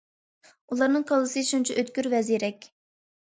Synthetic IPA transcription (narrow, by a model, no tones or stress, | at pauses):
ulˠɑɾnɨŋqʰɑlˠɨsɨʃunt͡ʃʰɛʔøt̪kʲyɾvɛziɾɛkʲ